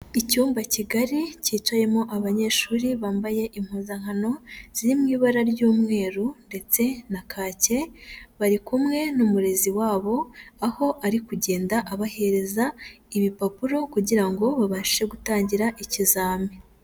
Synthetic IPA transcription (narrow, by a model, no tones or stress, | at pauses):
icuːmbaciɡaɾiciːt͡ʃwaje̞mo̞ʔaβaɲe̞ːʃuːɾiβaːmbaje̞ʔim̥huzaŋ̥ano̞z̥iɾimŋiːβaɾaɾjuːmŋe̞ːɾunde̞t͡se̞nakʰaːce̞βaɾikumŋe̞numuɾe̞ziwaːβo̞aho̞ʔaɾikuɟe̞ːndaʔaβahe̞ɾe̞za | iβipapuɾo̞kuɟiɾaŋɡo̞βaβaʃiʃe̞ɡutaːɲɟiɾaʔicizaːme